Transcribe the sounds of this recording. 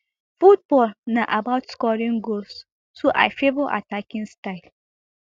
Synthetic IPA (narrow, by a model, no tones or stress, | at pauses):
fut̚bɔlnaʔabaʊtskɔɹĩnɡols | soʔa̰ɪfebɔʔa̰takĩnstaɪl